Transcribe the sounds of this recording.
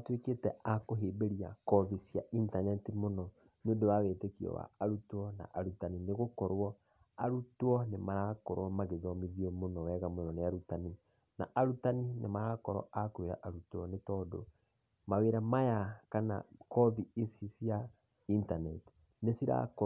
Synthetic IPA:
tweketɛakoɦeːbeɾia̰kɔðisjaʔintanɛtimonɔ | neodowawetekiɔ̰wa̰aɾutwɔna̰ʔaɾutanineɣokɔɾwɔ | aɾutwɔnemaɾakɔɾwɔmaɣeðɔmiðiomonɔwɛɣamonɔneaɾutani | na̰ʔaɾutaninḛmaɾakɔɾɔ̰akweɾa̰ʔaɾutɔnetɔːdo̰ | maweːɾamajakana̰kɔðiesisja | intanɛti̥ | nesiɾa̰kɔ

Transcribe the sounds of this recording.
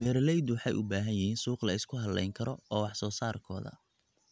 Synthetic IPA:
bɛːɾlɛjd̪wɑħɑjʔʊbaːɦɐnjɪhiːnsuːqlɐɪskʰʊɦɐdlɛ̰jŋkʰɐɾɔɔːwɑħsɔːsaːrkʰɔ̰ːðɐ̰

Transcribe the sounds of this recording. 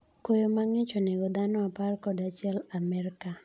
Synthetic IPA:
kojomaŋɪt͡ʃɔneɡɔd̪anɔaparkɔdat͡ʃjɛlamɛɾka

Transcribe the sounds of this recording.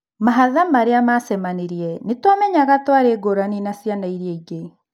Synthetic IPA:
maɦaðamaɾeamasɛmaneɾiɛnetwamɛɲaɣatwaɾeːɡoɾaninasianaiɾieiɡe

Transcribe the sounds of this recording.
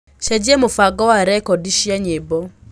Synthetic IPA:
ʃɛd͡ʒiemofaɡɔwaɾɛkɔdiʃjaɲebɔ

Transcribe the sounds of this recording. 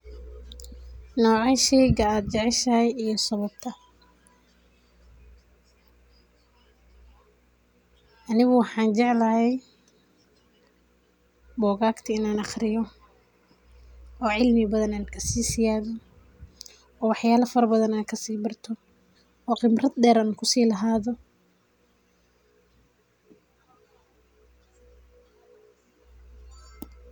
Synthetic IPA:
nɔːʕaʃɛjɣɐaːd̪̚t͡ʃɛʕɪʃɐhɛjijɞsɐβɐb̚t̪ʰɐ | ʔɐnɪɣʊwɑħɑːnt͡ʃɛʕlɐɦɛj | bɔːɣaːɡt̪ʰɐɪnaːnɑχrɪjɔ | ɔːʕɪlmɪbɐðɐnaːnkʰɐsiːsɪjaːðɔ | ɔːwɑħjaːlɐfɐɾɐbɐðɐnaːkʰɐsiːbɐrt̪ʰɔ | ɔːqɪmrɐd̪ɖɛːɾaːnkʰʊsiːlɐɦaːðɔ

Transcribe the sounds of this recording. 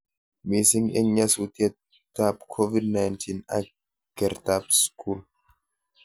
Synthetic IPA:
misiŋɡɛɲːɐsut̪ɛ | t̪apkʰɔvidnajnt̪ʰina̰k | ɡ̥ɛɾt̪apskʰul

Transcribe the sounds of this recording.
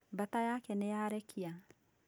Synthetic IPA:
bat̪ajakɛnɛjaɾɛkʰia

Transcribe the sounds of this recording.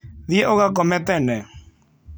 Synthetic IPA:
ðjɛʔoɣakɔmɛt̪ɛnɛ

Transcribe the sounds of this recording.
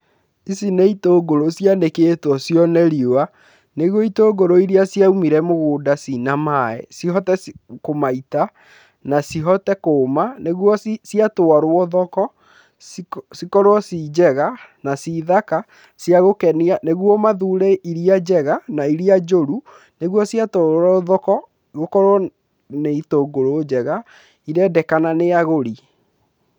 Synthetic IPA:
isineitoːɡoɾosjaneketɔsjɔnɛɾioa | neɣwɔitoːɡoɾoiɾiasiaumiɾɛmoɣoːdasinamaɛ̰siɦɔtɛskomaita | nasiɦɔtɛkoːmaneɣwɔssiatoaɾwɔðɔkɔ | sikɔɾwɔsid͡ʑɛɣanasiðaka | siaɣokɛnianeɣwɔmaðuːɾɛiɾiad͡ʑɛɣanaiɾiad͡ʒoɾu | neɣwɔsiatoɾɔðɔkɔ | ɣokɔɾɔ | neitoːɡoɾoːd͡ʑɛɣa | iɾɛdɛkananeaɣoɾi

